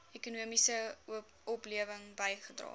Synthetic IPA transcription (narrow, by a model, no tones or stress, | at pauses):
ɛkunuəmisə | ɔpliəvəŋbɐjχədrɑ̰ː